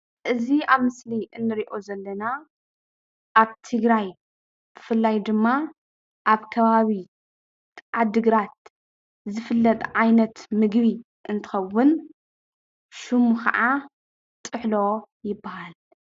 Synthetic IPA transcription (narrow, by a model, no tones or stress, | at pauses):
ʔɨziaβmɨsliʔɨnːɨɾiʔo̞zɐlːɐna | ʔaβt̪ʰɨɡɾaj | b̥ɨfɨlːajd̪ɨmːa | ʔaβkʰɐβaβi | t̪ʕad̪ɨɡɾat̪̚ | zɨfɨlːɐt̪ʼʕajnɐt̪mɨɡβi | ʔɨnt̪ʰɨ̥xɐwːʊn | ʃumukɐ̰ʕa | t̪ʼɨħlo̞ | jɪbːahal